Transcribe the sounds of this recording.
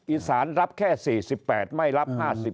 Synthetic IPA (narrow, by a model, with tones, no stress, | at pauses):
ʔiː˨˩saː˩˦nɾa˦˥p̚kʰɛː˥˩siː˨˩si˨˩pːɛː˨˩t̪̚ma˥˩jɾa˦˥p̚haː˥˩si˨˩